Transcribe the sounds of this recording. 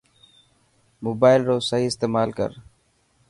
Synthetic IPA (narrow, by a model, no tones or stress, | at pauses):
moːbaːɪlɾoːsəɦiːɪst̪eːmaːlkə̰ɾ